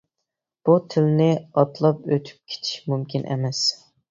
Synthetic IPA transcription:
b̥ut̪ʰɪlnɪɑt̪lˠɑpøt̪ʰy̥p̚kʲʰe̥t͡ʃ̪ʰi̥ʃmymkʲinʔɛ̰mɛs

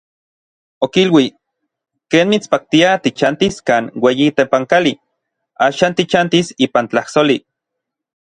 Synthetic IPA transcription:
okilwi | keːnmit͡spak̚t̪iat̪it͡ʃant̪iskaːnweːjit̪epaŋkali | aːʃaːnt̪it͡ʃant̪isiːpant͡ɬahsoli

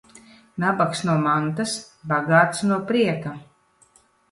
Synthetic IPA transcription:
nabaksnuɔmant̪as | baɡaːt̪snuɔpɾiɛka

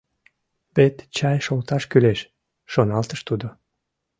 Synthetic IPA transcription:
βet̪t͡ɕɑjʃolt̪ɑʃkyleʃ | ʃonɑlt̪əʃt̪ud̪o

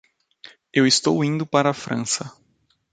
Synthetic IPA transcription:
ewist̪owĩnd̪ʊpaɾɐːfɾɐ̰̃sɐ

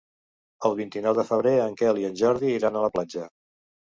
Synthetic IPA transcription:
əlˠβint̪inɔwðəfəβɾeəŋkɛliənʲʒɔɾðiiɾanələplad͡ʒə

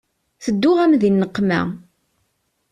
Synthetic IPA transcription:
θəd̪ːʊʁæmðinːəqːmæ̰

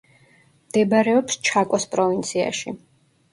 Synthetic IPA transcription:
md̪̥ɛbɾɛɔpst͡ʃʰakʼɔspʼɾɔvint̪sʰia̰ʃḭ

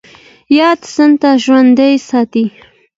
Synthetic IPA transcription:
jɑd̪sənt̪aʒwand̪əjsɑt̪i

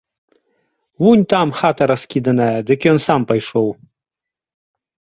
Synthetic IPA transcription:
wunʲt̪amxat̪ɐɾɐskʲid̪ɐnajɐd̪ɨkʲjɔnsampɐjʂɔw

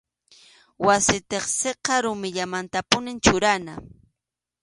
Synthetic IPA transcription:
wasɪt̪eχseqɑɾʊmɪʎamant̪apʊnɪnt͡ʃʊɾana

